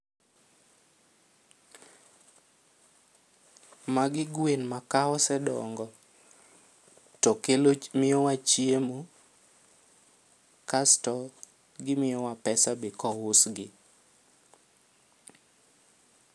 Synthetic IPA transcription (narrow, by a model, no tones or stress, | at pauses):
maɡɪɡwenmakaɔsɛdɔ̰ŋɡɔ | tɔkelomɪɔwat͡ʃiemo | kastɔ | ɡɪmɪjɔwapɛsabɪkɔwʊsɡɪ